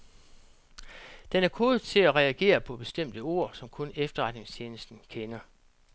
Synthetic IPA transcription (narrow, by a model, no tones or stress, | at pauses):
d̥enæɐkʰo̝ːð̩ˠt͡sʰe̝læʁɛæɡ̥e̝̰ːɐpʰɒ̽b̥e̝sd̥em̰d̥əo̝̰ɐ̰sɒ̽mkʰɔ̽nefd̥ɐʁɑ̈d̥ne̝ŋst͡ɕʰe̝ːnəsd̥n̩kʰenɐ